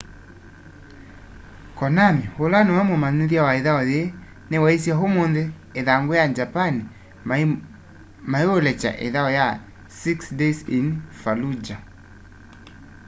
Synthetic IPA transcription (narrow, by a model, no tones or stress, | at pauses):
kɔnamiholanɔwamwemaniðjawaeðaɔje | newais̬jaɦomonðeː | ðaŋɡojad͡ʒapani | maeolɛt͡ʃa̰ʔḛðaɔja | siksdesinfalud͡ʒa